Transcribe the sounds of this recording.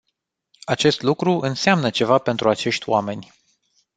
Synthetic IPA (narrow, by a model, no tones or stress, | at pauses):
at͡ʃe̞st̪lukɾuʔɨnseamnət͡ʃe̞vape̞nt̪ɾuat͡ʃe̞ʃt̪ʲwame̞nʲ